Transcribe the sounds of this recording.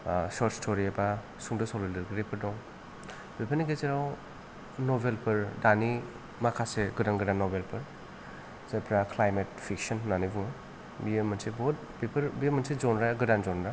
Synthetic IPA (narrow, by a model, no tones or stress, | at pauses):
sɔɾtstʰoɾiaba | suŋdɯsɔlendɐɾɡiɾepʰɯɾdɔŋ | b̥epʰaɾniɡezeɾaw | nobelpʰɯɾdani | makʰaseɡɯdaŋɡɯdanːɔbelpʰɯɾ | zajpʰɾaklajmetpʰiksɔnːanibuŋ | bijemːɐnsebɔt̚ | bepʰɐɾbijemɐnsezɔnɾaɡɯdanzɔnɾa